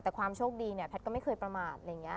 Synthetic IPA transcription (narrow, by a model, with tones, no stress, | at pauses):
t̪ɛː˨˩kʰwaː˧mt͡ɕʰoː˥˩k̚diː˧ni˥˩ɐpʰɛ˦˥t̪̚kɔ˥˩ma˥˩jkɤː˧jpɾa˧maː˨˩t̪̚ʔa˧ja˨˩ŋːi˦˥ɐ